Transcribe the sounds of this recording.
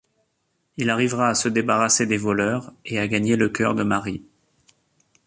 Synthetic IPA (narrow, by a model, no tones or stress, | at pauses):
ilaʁivʁaːsəd̪ebaʁased̪evɔlœʁeaɡaɲeləkʲœ̰ʁd̪əmaʁi